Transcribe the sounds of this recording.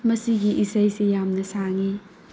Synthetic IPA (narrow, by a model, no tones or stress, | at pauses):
mɐsiɡiʔisajsijamnɐsaŋi